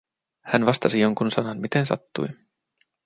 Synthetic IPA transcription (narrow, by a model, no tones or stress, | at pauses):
hænʋɑst̪ɑsijo̞ŋkunsɑnɑnmit̪e̞nsɑ̰t̪ːṵj